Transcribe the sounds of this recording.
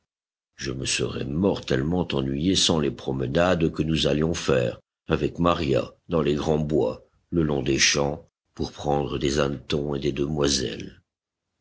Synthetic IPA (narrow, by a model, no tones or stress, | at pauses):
ʒəməsəʁɛ̰mɔʁt̪ɛlmɑ̃t̪ɑ̃nɥijesɑ̃lepχɔmənad̪kənuzaljɔ̃fɛːʁ | avɛkmaʁja̰d̪ɑ̃leɡʁɑ̃bwa | ləlɔ̃d̪eʃɑ̃ | puʁpχɑ̃d̪ʁəd̪ezɛ̃t̪ɔ̃ed̪ed̪əmwazɛ̰l